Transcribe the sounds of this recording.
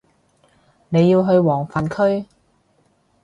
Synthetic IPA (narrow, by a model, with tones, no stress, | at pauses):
ne˨˧jiː˧wɦɵ˧ɥwɔː˨˩ŋfaː˨˩nkʰɵ˥ɥ